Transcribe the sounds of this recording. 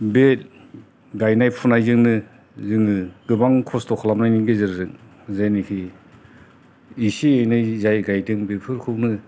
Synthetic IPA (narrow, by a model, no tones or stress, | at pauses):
bet̚ | ɡajnajpʰunajzɯŋnɯ | zɯŋɯɡɯbaŋkʰɔstɔkʰɔlamnajniŋɡezɯɾzɯŋ̚ | zajnikʰi | isiejnajzajɡajdɯŋbepʰɯɾkʰɯwnɯ